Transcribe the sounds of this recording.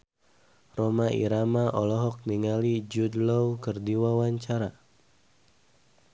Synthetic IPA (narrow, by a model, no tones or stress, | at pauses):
romaʔḭɾamaʔɔlɔɦɔk̚niŋalid͡ʒudlɔwkərdiwawaɲt͡ʃaɾa